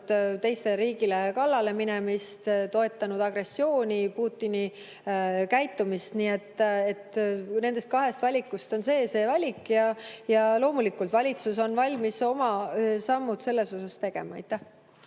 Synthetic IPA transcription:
d̪̥t̪e̞jst̪e̞lɾiːɡilekɑlːɑle̞minɛmist̪t̪o̞e̞t̪ːˑɑnud̪̥ɑɡ̥re̞sːio̞ːnʲipuːt̪ːini | kæjt̪ːˑumist̪niːe̞t̪ːˑe̞t̪ne̞nd̪e̞st̪kɑɦe̞st̪vɑlʲikːˑust̪o̞nse̞ːse̞ːvɑlʲikjɑjɑlo̞ːmulikːult̪vɑlʲit̪suso̞nvɑlʲmiso̞mɑsɑmːud̪̥se̞lːe̞so̞sɑst̪e̞ɡ̥e̞̰mɑɑ̰jt̪ːˑæh

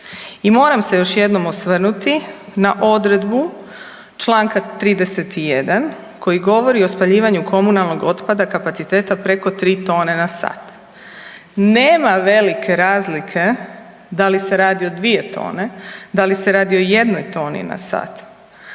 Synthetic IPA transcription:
imo̞ːɾamse̞jo̞ʃje̞d̪no̞mosʋr̩nut̪inaʔo̞d̪ɾe̞d̪bu | t͡ʃlˠaːŋkat̪ɾiːd̪e̞set̪ije̞d̪an | kʰo̞jiɡo̞ʋo̞ɾio̞spaʎiːʋaɲukʰo̞munalˠno̞ɡo̞t̪pad̪akapat̪sit̪e̞ːt̪apɾe̞ko̞t̪ɾiːt̪o̞ːne̞nasa̰ːt̪ | neːmaʋe̞likʰe̞ɾaːzlikʰe̞ | d̪alise̞ɾaːd̪io̞d̪ʋie̞t̪ʰo̞̰ːne̞d̪alise̞ɾaːd̪io̞je̞d̪no̞jt̪o̞ːnḭna̰sa̰ːt̪

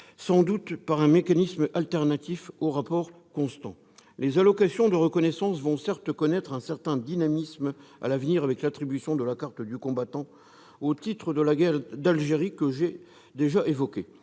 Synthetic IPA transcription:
sɑ̃d̪ut̪paʁɛ̃mekanismalt̪ɛʁnat̪ifoʁapɔʁ | kɔ̃st̪ɑ̰̃ | lezalɔkasjɔ̃d̪əʁəkɔnɛsɑ̃svɔ̃sɛʁt̪kɔnɛt̪χɛ̃sɛʁt̪ɛ̃d̪inamisma̰lavniʁavɛklat̪χibysjɔ̃d̪əlakaʁt̪d̪ykɔ̃bat̪ɑ̃ | ot̪it̪χəd̪əlaɡɛʁd̪alʒeʁikəʒe | d̪eʒaʔevɔkʲe

